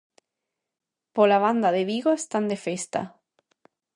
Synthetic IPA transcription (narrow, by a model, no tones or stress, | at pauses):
polaβand̪aðeβiɣoest̪and̪efest̪a̰